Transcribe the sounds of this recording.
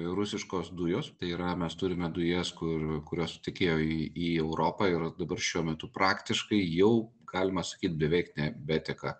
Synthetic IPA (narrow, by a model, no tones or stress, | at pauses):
ɾʊsʲɪʃkoːsd̪ʊjoːst̪ɐɪiːɾɐmʲɛst̪ʊɾʲɪmʲɛd̪ʊjeːskʊɾkʊɾʲoːsʊ̥t̪ʲɪkʲeːjoːiiːɛʊɾoːpɑːɪrd̪ɐbɐrʃʲuɔmʲɛt̪ʊpɾɑːkt̪ʲɪʃkɐɪjɛʊɡɑːlʲɪmɐsɐ̥kʲiːt̪̚ʲbʲɛʋʲɛɪknʲɛbʲɛːt̪ʲɛkɑ